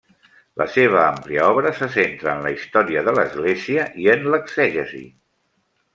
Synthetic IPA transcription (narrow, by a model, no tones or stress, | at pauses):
lʔə̰seβ̞əampliəɔβɾəsəsent̪ɾəːnləist̪ɔɾiəðələzɣleziəʔiənləkzɛʒəzḭ